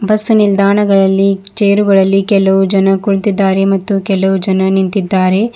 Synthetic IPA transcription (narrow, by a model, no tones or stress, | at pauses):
bɐsːunild̪aːɳɐɡɐɭɐlːit͡ʃeːɾuɡɐɭɐlːikɛlːɐʋud͡ʒɐnɐkuɭt̪id̪ːaːɾemɐt̪ːukɛlːɐʋud͡ʒɐnɐnint̪id̪ːaːɾe̞